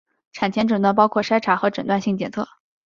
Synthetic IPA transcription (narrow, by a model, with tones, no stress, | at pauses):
ʈ͡ʂʰa˨˩nt͡ɕʰjɛ˥nʈ͡ʂɤ˨˩nə˧p̬ɑ˥ʊkʰwɔ˥˩ʂa˥ɪʈ͡ʂʰa˨˩xɤ˧˥ʈ͡ʂə˨˩nt̪wa˥˧nɕi˥˩ŋt͡ɕjɛ˨˩nt͡sʰɤ̰˥˩